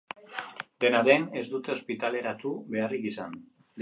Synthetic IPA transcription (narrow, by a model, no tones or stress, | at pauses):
d̪e̞naðe̞ne̞zd̪ut̪e̞o̞spit̪ale̞ɾat̪uβe̞arikisan | d̪